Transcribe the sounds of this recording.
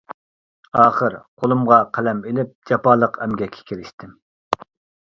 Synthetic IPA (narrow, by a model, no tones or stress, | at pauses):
ɑːχəɾqʰolˠumʁɑqʰælɛmelɪp̚d͡ʒɑpɑːlˠəqʰɛmɡʲɛkʲʰːɛ̥kʲʰiɾɪʃt̪ʰɪm